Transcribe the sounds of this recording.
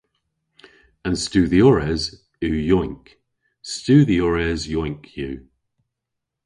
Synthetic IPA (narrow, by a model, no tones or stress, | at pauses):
ə̃nstʉːðiɔɹɛz | ʉːjɔɪ̃ŋk | stʉːðiɔɹɛzjɔɪ̃ŋkʰjʉː